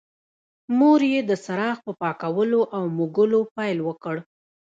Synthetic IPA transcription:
moɾjed̪əsaɾɑxpəpɑkawəloʔawmuɡʊlopɑjlwəkəɽ

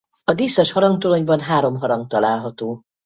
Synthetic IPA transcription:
ɒd̪isːɒʃhɒɾɒŋɡ̚t̪oloɲbɒnɦaːɾo̞mɦɒɾɒŋk̚t̪ɒlaːlɦɒt̪oː

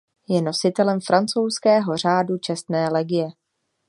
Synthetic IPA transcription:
jɛno̞sɪt̪ɛlɛmfɾʔant͡sowskɛːɦo̞r̝aːdut͡ʃɛst̪nɛːlɛɡɪjɛ

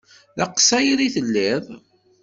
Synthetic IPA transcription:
ðɑqsæjɾiθəlːɪðˤ

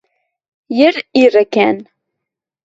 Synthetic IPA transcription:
jəɾirːækːæn

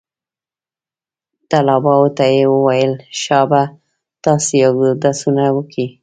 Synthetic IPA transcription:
t̪alɑbɑwot̪ajewəwajəlʃɑba | t̪ɑsejawd̪asunawəki

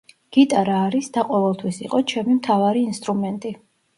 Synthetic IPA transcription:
ɡ̥it̪ʼaɾaːɾisd̪̥aqʼɔvɛlˠt̪ʰwisḭqʼɔt͡ʃʰɛmimt̪ʰavaɾiːnst̪ʼɾumɛnt̪ʼi

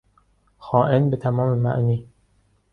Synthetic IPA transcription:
xɒːʔenbet̪ʰæmɒːmemæ̰ʔniː

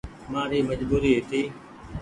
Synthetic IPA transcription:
mãːɾiːməd͡ʒbuːɾiːɦet̪ʰiː

